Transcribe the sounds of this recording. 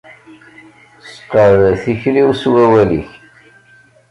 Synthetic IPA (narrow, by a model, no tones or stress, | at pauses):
sqːəɾθiçɾiwswæwælḭç